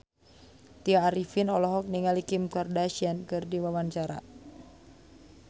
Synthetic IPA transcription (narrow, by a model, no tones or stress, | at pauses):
t̪iaːɾifinɔlɔɦɔk̚niŋalikimkɔrdaʃiankɨrdiwawaɲt͡ʃaɾa̰